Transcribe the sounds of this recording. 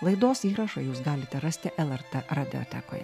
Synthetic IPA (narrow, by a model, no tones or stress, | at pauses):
lˠɐɪd̪oːsiːɾɐʃɐjuːs̬ɡɑːlʲɪt̪ʲɛɾɑsʲt̪ʲɪʔɛlˠɛɾt̪ɛɾɐd̪ʲɪo̰t̪ʲɛ̰ko̰ːj